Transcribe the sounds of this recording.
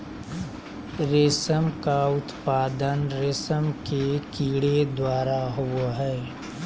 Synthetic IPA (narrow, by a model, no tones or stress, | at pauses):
ɾeːsəmkaʊt̪paːd̪ənɾeːsəmkekiːɽed̪waːɾaɦuwɦɛː